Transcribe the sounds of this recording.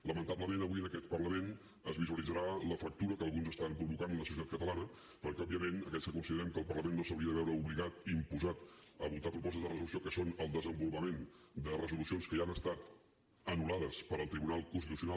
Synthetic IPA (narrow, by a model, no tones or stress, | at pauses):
ləmənt̪abləmenəβiənəkɛt̪̚pərləmen | əzβizuəlid͡zəɾaləfək̚t̪uɾəkəːlˠɣunzəst̪ampɾuβukanənləsusit̪at̪̚kət̪əlanə | pəɾkɛɔbiəmenəkɛskəkunsiðəɾɛmkəlˠpərləmenːosəwɾiəðəβɛwɾəuβliɣat̪impuzat̪əβut̪apɾupɔst̪əzðərəzulusijokəsonəlˠd̪əzəmbulupəmend̪ərəzulusionskəʒanəst̪at̪ | ənulaðəspəɾəlˠt̪ɾiβunalˠkunst̪it̪us̬juna